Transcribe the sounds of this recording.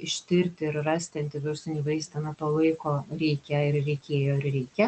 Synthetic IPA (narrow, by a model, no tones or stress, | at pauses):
ɪʃʲt̪ʲɪɾʲt̪ʲɪɪɾrɑːsʲt̪ʲɪɐnʲt̪ʲɪʋʲɪɾsɪnʲiːʋɐɪsʲt̪ɐnɐt̪oːlˠɐɪkoːɾʲɛɪkʲɛɪrrʲɛɪkʲeːjoːɪɾɾʲɛɪkʲɛ